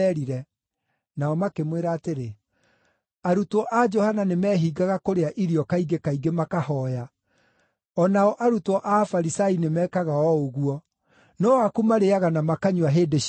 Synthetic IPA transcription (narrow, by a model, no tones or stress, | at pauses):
ɛɾiɾɛ | naɔmakemweɾaːteɾe | aɾutɔʔad͡ʒɔhananemɛːɦiɡaɣakoɾeaʔiɾiɔkaiɡekaiɡemakahɔːja | ɔnaɔʔaɾutɔʔafaɾisainemɛːkaɣaɔoɣuɔ | nɔwakumaɾeaɣanamakaɲuaɦeːde